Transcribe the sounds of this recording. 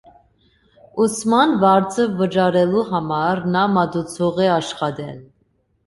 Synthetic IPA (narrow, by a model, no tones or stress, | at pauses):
usmɑnvɑɾt͡sʰəvət͡ʃɑɾɛluɦɑmɑɾnɑmɑd̪ut͡sʰɔʁɛɑʃχɑd̪ɛl